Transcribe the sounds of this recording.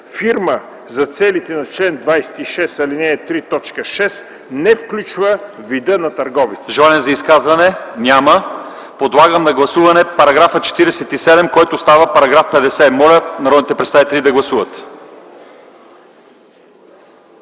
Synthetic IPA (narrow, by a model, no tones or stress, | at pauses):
fiɾmə | zɐt̪sɛlit̪ɛnɐt͡ʃlɛnd̪vajsɛ̥t̪iʃɛsɐlinɛːt̪ɾit̪ɔt͡ʃkəʃɛs | nɛfklʲut͡ʃvə | vid̪ənɐt̪ɐɾɡɔvit̪ʒɛlˠaniɛzɐiskazvɐnɛnʲamə | pod̪lˠaɡəmnɐɡlˠɐsuvɐnɛpɐɾɐɡɾafət͡ʃɛ̥t̪iɾɛsɛt̪isɛd̪ɛmkɔjt̪ost̪avəpɐɾɐɡɾafpɛd̪ɛsɛmɔlʲənɐɾɔd̪nit̪ɛpɾɛt̪st̪avit̪ɛlid̪ɐɡlˠɐsuvət̪